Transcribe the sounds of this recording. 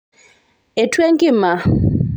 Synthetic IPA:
ɛ˨tʰwe˦ŋkʼi˦ma˨

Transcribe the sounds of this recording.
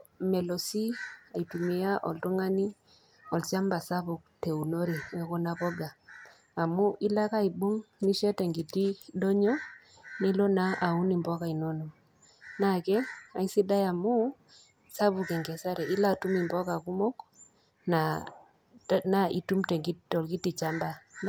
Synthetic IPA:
mɛ˨lo˨si˦a˨i˨tu˨mi˨ja˦ʔɔ̰˨ltɔ˦ŋa˦ni˦ | ɔ˨lt͡ʃa˦mba˨sa˦bu˨k̚te˨u˨no˦ɾe˨ɛ˦kɔ˦na˦pɔ˦ɡaː˨ | mu˦ʔi˦la˦ka˦i˨bo˦ŋni˦ʃɛ˦tɛ˨ŋɡi˨ti˦dɔ˦ɲɔ˦ | ni˦lo˦na˦ʔa˨u˦ni˨mbɔ˦ka˨i˨no˦no˨ | na˦˨kɛ˦a˨˦i˦si˦da˦ja˨mu˦ | sa˦bu˨kɛ˨ŋɡɛ˨sa˦ɾɛ˨i˦la˦˨tu˦mi˨mbɔ˦ka˨ku˦mɔ˦k | na˨ | na˦i˨tu˦mtɛ˨ŋɡi˦ɔ˨lki˦ti˨t͡ʃa˦mba˨

